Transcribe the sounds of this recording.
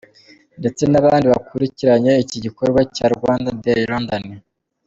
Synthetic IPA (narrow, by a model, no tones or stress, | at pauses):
nde̞t͡se̞naβaːndiβakuɾiciɾaɲe̞iciɟiko̞ɾɡwacaːɾɡwaːndadeɾondoni